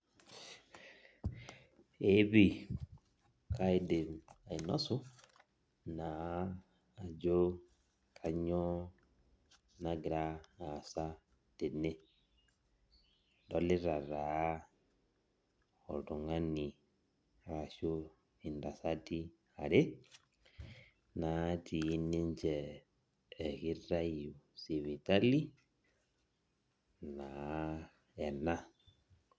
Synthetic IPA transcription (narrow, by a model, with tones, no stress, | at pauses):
e˦βi˦˨ | kʰa˦i˦de˨ma˨i˨no˦su˦ | naː˨˦˨ | d͡ʒo˦ | kʰa˨ɲɔ˦ | na˨ɡi˨ɾa˦a˨sa˦ | d̥e˨ne˦ | do˨le˦ɾa˨ɾa˨˦ | ɔ˨tu˨ŋa˦ni˨ | ɾa˨ʃo˦ | i˨nda˨sa˦ti˦ | a˨ɾe˦ | na˨ti˨˦ni˦ɲt͡ʃɛː˨ | ki˦ra˦ju˨si˨βi˨ta˦li˦ | na˨˦ | ɛ˨na˦